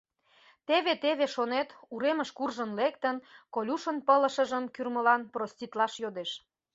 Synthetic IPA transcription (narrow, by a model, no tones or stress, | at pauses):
t̪eβet̪eβeʃonet̪uɾeməʃkurʒənlek̚t̪ənkolʲuʃənpələʃə̆ʒəmkyrməlɑnprosʲt̪ʲit̪lɑʃjod̪eʃ